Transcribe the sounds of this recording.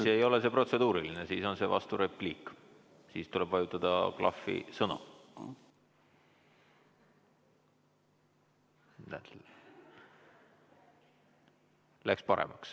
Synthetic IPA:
seːjo̞lese̞pro̞t̪se̞d̪̥uːɾilinesiːso̞nse̞vɑ̰st̪uɾe̞pliːkː | siːst̪ule̞b̥vɑjut̪ːˑɑd̪̥ɑ̰klʔɑ̰fːḭsɤnṵ | næ̰ | lækspɑɾḛmɑks

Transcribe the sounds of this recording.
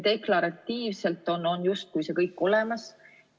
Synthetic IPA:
d̪̥e̞klɑɾɑt̪ːiːvse̞lt̪ˑːo̞no̞njust̪̚kujse̞kɤjkːˑo̞le̞mɑs

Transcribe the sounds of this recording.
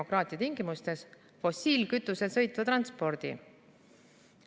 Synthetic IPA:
okrɑːt̪ʲˑiɑt̪iŋɡ̥imust̪e̞s | fo̞sʲiːlkyt̪ːˑuse̞lsɤ̞jt̪ˑːvɑt̪rɑnspo̞ɾd̪̥ḭ

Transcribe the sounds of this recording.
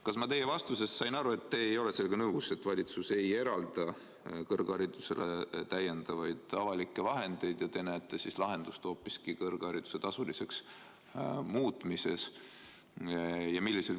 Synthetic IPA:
kɑsmɑt̪e̞jːe̞vɑst̪use̞ssɑjnɑɾue̞t̪ːe̞ːjo̞lese̞lɡɑnɤuse̞t̪ːvɑlʲit̪suse̞je̞ɾɑld̪ɑ | kɤrɡ̥ɑɾid̪use̞̰let̪æje̞nd̪̥ɑvɑjd̪̥ɑvɑlikːˑe̞vɑɦe̞nd̪̥e̞jd̪̥jɑt̪enæjt̪ːˑesislɑɦe̞nd̪̥ust̪o̞ːpːˑiskikɤrɡ̥ɑɾid̪̥u̥se̞t̪ɑsulise̞ks | muːt̪ˑmise̞s | jɑmilːise̞l

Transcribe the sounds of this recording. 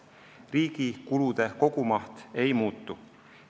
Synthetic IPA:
riːɡ̥ikulud̪̥e̞ko̞ɡ̥umɑht̪e̞jmuːt̪ːˑu

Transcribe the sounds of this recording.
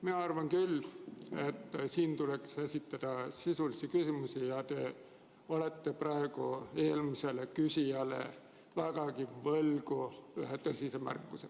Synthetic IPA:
minɑɑrvɑŋkylːe̞t̪ːsiːnt̪ule̞ksesʲit̪ːˑɑd̪̥ɑsisulisikysimusijɑt̪e̞ | ole̞t̪ːe̞prɑeɡ̥ue̞ːlmise̞lekysʲiɑlḛ | væɡ̥ɑkivɤlɡuyɦet̪ɤsʲisemæ̰rkːuse

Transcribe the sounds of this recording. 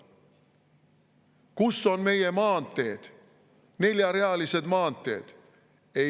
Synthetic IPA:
kusːo̞nme̞je̞mɑːnt̪ːˑe̞ːd̪̥ | ne̞lʲjɑɾe̞ɑlise̞d̪mɑːnt̪ːˑe̞̰ːd̪̥ | e

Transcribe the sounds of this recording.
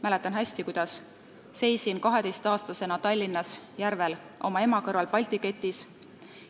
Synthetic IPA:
mæle̞t̪ːˑɑnɦæsʲt̪ikujd̪̥ɑsː | e̞jsinkɑɦe̞d̪e̞jst̪ɑːst̪ɑse̞nɑt̪ɑlʲːinːɑsjæɾve̞l | ʔo̞̰mɑe̞mɑkɤrvɑlpɑlʲt̪ike̞t̪ːˑis

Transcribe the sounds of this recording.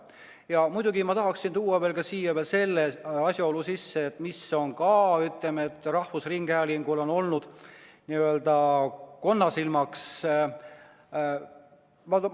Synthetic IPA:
jɑmujd̪̥uɡimɑt̪ɑɦɑksint̪uːɑve̞ːlkɑsiːjɑvelse̞lːeɑsʲjɑolusisːe̞ːt̪ːˑmiso̞nkɑyt̪le̞me̞t̪ːˑrɑhvusriŋɡ̥æliŋɡulo̞no̞lnud̪̥niøld̪ɑko̞nːɑsilmɑks | mɑt̪

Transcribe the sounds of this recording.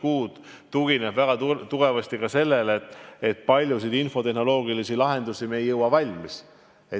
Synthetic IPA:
kuːd̪̥ | t̪ːuɡinebvæɡ̥ɑt̪uɡ̥e̞vɑst̪ikɑse̞lːe̞leet̪ːet̪̚ːˑpɑlʲjus̬id̪info̞t̪e̞ɦno̞lo̞ːɡilisilɑɦe̞nd̪usimejːɤwɑvɑlʲmis | e

